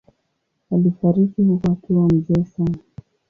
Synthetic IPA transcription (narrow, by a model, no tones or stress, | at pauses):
alifaɾikihukwakiwam̩zɛːsana